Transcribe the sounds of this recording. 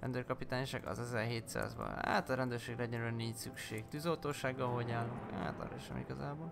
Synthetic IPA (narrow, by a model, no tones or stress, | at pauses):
rɛ̰nd̪øːrkɒpit̪aːnʃaɡɒ̰zɛzɛrɦeːt̪sa̰ːzbɒ̰na̰ːt̪ɒɾɛnd̪øːrʃeːɡrɛɛɟɛɾylɛniːcsykʃeːkt̪yzolt̪oːʃaːɡːɒɦo̞ɟaːlːuŋka̰ːt̪ɒ̰ɾɛ̰ʃɛ̰mḭɡɒzaːboːl